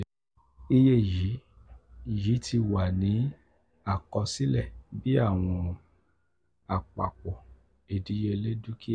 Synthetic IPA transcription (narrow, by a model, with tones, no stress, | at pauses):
i˧je˦˨ji˨˦ | ji˨˦tʰi˧wa˨nĩ˨˦ | a˦˨kɔ˧si˦lɛ˦˨bi˦a˦˨w̃ɔ̃˧ | a˨k͡pa˨k͡pɔ˨ | e˨di˨˦je˧le˦du˦ki˦